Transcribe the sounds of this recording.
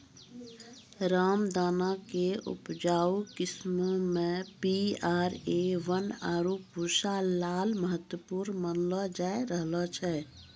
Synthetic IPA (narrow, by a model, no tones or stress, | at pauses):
ɾaːmd̪aːnakeṵpd͡ʒaːukɪsmomẽpiaɾeʋənaːɾopuɾsalaːlməɦət̪wəpuɾnmənlɔd͡ʒaeɾəɦlɔt͡ʃʰɛ